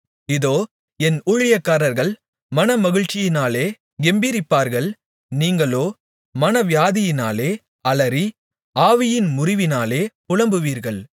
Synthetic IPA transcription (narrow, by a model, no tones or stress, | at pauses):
ɪðoː | ɛnʊɻɪjɐkːaːɾɐɾɣɐɭ | mɐnɐmɐɣɪɻt͡ʃːɪjɪnaːleː | ɡɛmbiɾɪpːaːɾɣɐɭ | niːŋɡɐɭoː | mɐnɐʋɪjaːðɪjɪna̰ːleː | ɐɭɐɾi | aːʋɪjɪnmʊrɪʋɪnaːleːpʊɻɐmbɯʋiːɾɣɐɭ